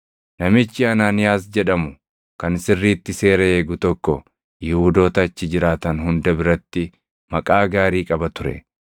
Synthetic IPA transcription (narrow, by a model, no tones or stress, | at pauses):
nɐmɪt͡ʃːɪɐnaːnɪjaːs̬d͡ʒɛᶑɐmʊ | kɐnsɪrːiːt̪ːɪse̞ːɾɐeːɡʊt̪ɔkːɔ | jɪhuːd̪o̞ːt̪ɐːt͡ʃːɪd͡ʒɪɾaːt̪ɐnɦʊnd̪ɐbɪɾɐt̪ːɪ | mɐkʼaːɡaːɾiːkʼɐbɐt̪ʊɾɛ̰